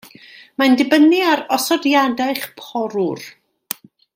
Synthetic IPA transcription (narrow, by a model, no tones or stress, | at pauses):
mandɪbəniaɾɔsɔdjadajχpʰɔɾur